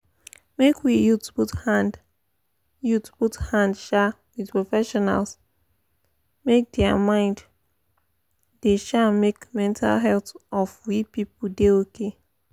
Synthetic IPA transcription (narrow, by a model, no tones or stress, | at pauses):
mekwijutbuthad | jutbuthãndʃa | widpɹɔfɛʃɔna̰ls | mek̚dɛamãɪ̃nd | deʃamekmɛ̃ntʰa̰lɦɛltɔfwipipul̩deoke